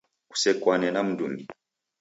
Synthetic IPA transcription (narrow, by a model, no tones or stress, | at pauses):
ku̥sɛkwanɛnam̩dṵŋɡi